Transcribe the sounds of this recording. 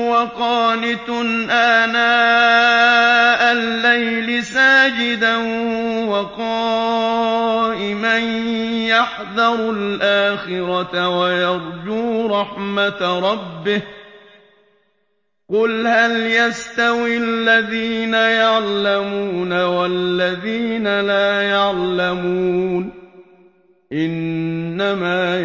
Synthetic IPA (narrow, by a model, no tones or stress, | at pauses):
wɑqɑːnɪt̪ʊnʔaːnaː | ʔalːajlɪsaːd͡ʒɪd̪a | wɑqɑː | ʔɪmanjaħðɑɾˤlʔaːxɪɾɑt̪awajɑɾˤd͡ʒuːɾˤɑħmat̪ɾˤɑbːɪh | qʊlhaljast̪awialːaðiːnajaʕlamuːnawalːaðiːnalaːjaʕlamuːn | ʔɪnːamaː